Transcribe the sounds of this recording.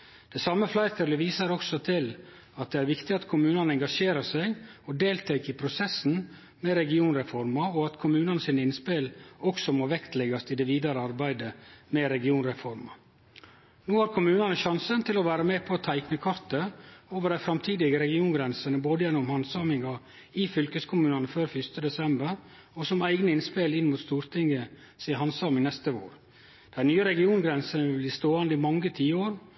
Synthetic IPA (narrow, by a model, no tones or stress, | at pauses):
d̪̥ɛsɑmːəflɑɪt̪ʰəɾləʋiːsəɾɔksɔt̪ʰɪl | ɑt̪̚d̪ɛæɾʋɪkt̪ɪɑt̪kʰʊmʉːnɑnəɛŋɡɑʂeːɾəsæɪɡɔd̪eːlt̪ʰæɪkəɪpʰɾʊsɛsn̩ | mɛɾɛɡɪuːnɾɛfɔɾmɑɔɑt̪kʰʊmʉːnɑnəsiːnɪnspɪlɔksɔmoːʋɛkt̪lɛɡɑst̪ɪd̪ɛʋiːd̪ɑɾəɑɾbæɪd̪əmɛɾɛɡɪuːnɾɛfɔɾmɑ | noːhɑːɾkʰʊmʉːnɑnəʃɑnsənt̪ʰɪlɔʋæːɾəmeːpʰɔːt̪ʰæɪknəkʰɑɾt̪əoːʋəɖæɪfɾɑmt̪ʰiːd̪ɪɡəɾɛɡɪuːnɡɾɛnsənəboːd̪əjɛnːʊmhɑnsɑːmɪŋɑ | ɪfʏlkəskʰʊmʉːnɑnəføːɾfʏst̪əd̪ɛsɛmbəɾ | ɔsɔmæɪɡnəɪnspɪlɪnmuːt̪st̪uːɾt̪ʰɪŋə | siːɦɑnsɑːmɪŋnɛst̪əʋo̰ːɾ | d̪̥æɪnyːəɾɛɡɪuːnɡɾɛnsənəʋɪbliːst̪oːɑnd̪ɪmɑŋːət̪ʰiːəoːɾ